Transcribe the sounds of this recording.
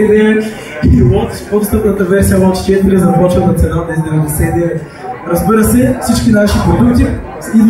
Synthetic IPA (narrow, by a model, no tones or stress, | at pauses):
niɛ | iiwɔt̪i̥spɔt̪st̪əpnɐt̪ɐvɛɾsijəwɔt̪t͡ʃɛt̪ɛɾizɐpɔt͡ʃvət̪ɐt̪sɛnanɛizd̪ɛvɛlɛsɛniɛ | ɾɐzbiɾəsɛfsit͡ʃkʲinaʃipɾod̪ukt̪i | id̪